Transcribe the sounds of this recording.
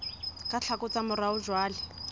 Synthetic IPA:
kʼaɬʰakʼʊt͡samʊɾaʊd͡ʒwaːlɪ

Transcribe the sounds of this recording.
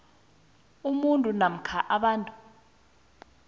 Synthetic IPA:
umuntʼunam̩kʰaʔaɓaːntʼu

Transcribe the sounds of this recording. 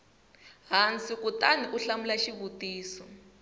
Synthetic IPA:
ɦant͡sikutaniʔuɬamulaʃiβutiːsɔ

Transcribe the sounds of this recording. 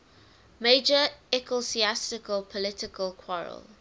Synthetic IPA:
meɪd͡ʒəɛkʰesiastɪkəlpʰɔlɪtɪkəlkʰwɔɹə̰lˠ

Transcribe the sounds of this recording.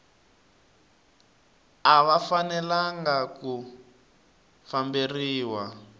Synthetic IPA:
aβafanɛlaŋɡaku | famberiːwa

